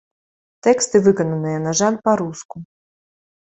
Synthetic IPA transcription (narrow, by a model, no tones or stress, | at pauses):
t̪ɛkst̪ɨvɨkɐnɐnɨjɐnɐʐanpaɾusku